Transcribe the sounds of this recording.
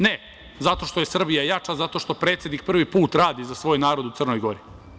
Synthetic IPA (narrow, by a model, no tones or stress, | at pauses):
ne | zat̪o̞ʃt̪o̞jesr̩bijajat͡ʂazat̪o̞ʃt̪o̞pɾeːt̪sʲe̞d̪nik̚pr̩ʋipuːt̪ɾaːd̪izasʋo̞ːjnaːɾo̞d̪ut̪sərno̞jɡo̞ɾi